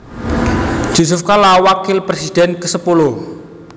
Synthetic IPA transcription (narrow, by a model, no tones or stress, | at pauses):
ʒ̥osʊfkalawakɪlpɾesid̥ɛnkəsəpulʊh